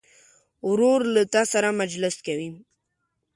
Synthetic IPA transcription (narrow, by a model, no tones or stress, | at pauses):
ʊɾuɾlat̪ɑsaɾamad͡ʒlɪskawi